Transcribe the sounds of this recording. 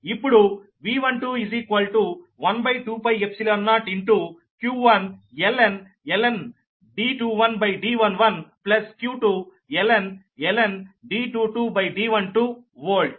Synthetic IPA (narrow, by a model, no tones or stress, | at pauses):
ipːuɽu | ʋiːʋɐnʈuːiziːkʋɐlʈuʋɐnbɐjʈuːpɐjepsilɐnːaːʈiɳʈu | kjuːʋɐnelen | elen | ɖiːʈuːʋɐnbɐjɖiːʋɐnʋɐnplɐskjuːʈu | ɛlen | elenɖiːʈuːʈuːbɐjɖiːʋɐnʈu | ʋoːlɖ